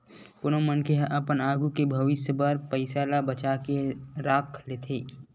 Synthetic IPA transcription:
konomənkeɦʔəpənaːɡukebʱəʋɪsjəbaɾpəɪsaːlabət͡ʃakeɾaːkʰlet̪ʰeː

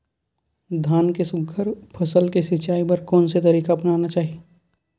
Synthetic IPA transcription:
d̪ʱaːnkesʊɡʱəɾpʰɐsəlkesɪt͡ʃaːipɐɾkɔːnset̪ɐɾiːkaɐpnaːnat͡ʃaːɦie

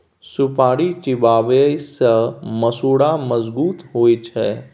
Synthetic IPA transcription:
sʊpaːɽit͡ʃɪbaːʋesəməsuːɽaməzbuːt̪ɦoːit͡ʃʰɛː

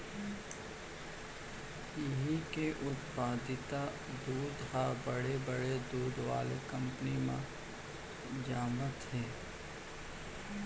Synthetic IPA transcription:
ɪɦikeʔʊt̪paːd̪ɪt̪a | d̪uːd̪habəɽebəɽed̪uːd̪ʋa̰ːlekɐ̃mpnimã̰ | d͡ʒaːmət̪ɦɛː

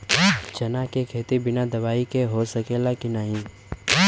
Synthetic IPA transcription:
t͡ʃɐnakekʰeːt̪ibɪnad̪ɐʋaːikeɦosɐkeːlakinəɦĩ

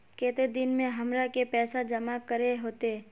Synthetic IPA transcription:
keːt̪ed̪ɪnmẽɦɐmɾakepɛːsad͡ʒɐmakəɾeɦoːt̪e

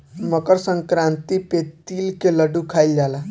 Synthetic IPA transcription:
məkəɾsəŋkɾãnt̪ipet̪ilkeləɖukʰajld͡ʒala

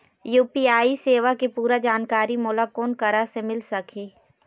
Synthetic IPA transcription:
juːpiːaːiseːʋakepuːɾad͡ʒaːnkaːɾimʊːlakoːnkɐɾasemɪlsɐkʰeː

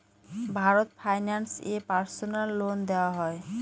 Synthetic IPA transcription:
bʱaɾot̪fʰajnansepaɾsonalːond̪eoaɦɔe

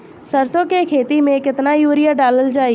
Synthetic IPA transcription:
səɾsõːkeːkʰeːt̪iːmẽːkɪt̪naːjuːɾɪjaːɖaːləld͡ʒaːiː

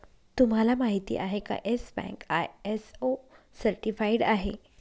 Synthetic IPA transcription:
t̪um̤alamaɦit̪ḭːʔaɦeka̰ʔesbɛ̰̃ŋkajeso | səɾʈifaiɽaɦḛ

